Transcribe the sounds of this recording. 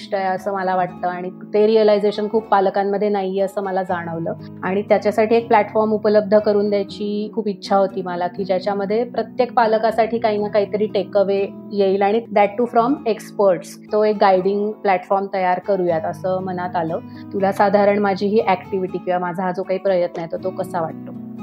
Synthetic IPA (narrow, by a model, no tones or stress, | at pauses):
ʂʈəjəsəːməlaʋaʈ̚t̪əːaɽ̃i | t̪eɾiəlajd͡zeɕənkʰuːpːaləkamːəd̪ʱːjenajiːəsəːməlad͡zaɽ̃əʋləː | aɽ̃it̪jat͡ɕjasaʈʰiːek̚plæʈfɔɾmupələb̚d̪ʱəkəɾuːnd̪jat͡ɕiːkʰuːpitːɕʰaɦot̪iːmalakiːd͡ʑjat͡ɕjaməd̪ʱːjepɾət̪jek̚palkasaʈʰiːkainakaɦit̪əɾiːʈekəʋejeilaɽ̃id̪ɛʈːuːfɾɔmekspəɾʈs | t̪oekɡajɽiŋɡplæʈfɔɾmt̪əjaɾkəɾujat̪əsəːmənat̪aləː | t̪ulasad̪ʱaɾəɳmad͡ʑʱiːɦiːʔækʈiʋiʈiːkiʋamad͡zʱad͡zokaɦiːpɾəjət̪nəjet̪ot̪okəsaʋaʈ̚t̪o